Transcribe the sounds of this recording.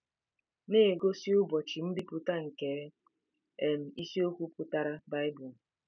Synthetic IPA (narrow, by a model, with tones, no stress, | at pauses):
ne˦˨ɡo˦si˦ʊ˦bɔ˨t͡ʃi˨n̩˦di˦pʊ˦ta˦ŋ̩˨ke˦ | e˨m̩˨i˦si˦o˦kʷu˦pʊ˦ta˦ɾa˦ba˦ɪ˦bu˨l